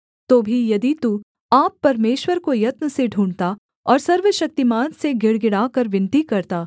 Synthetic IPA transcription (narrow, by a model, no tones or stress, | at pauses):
t̪oːbʱijɐd̪it̪u | aːpːɐɾmeːʃwəɾkojɐt̪nəseɖʱuːɳɖt̪a | ɔːɾsɐɾʋəʃɐk̚t̪imaːt̪seɡɪɽɡɪɽaːkɐɾʋɪ̃nt̪ikɐɾt̪aː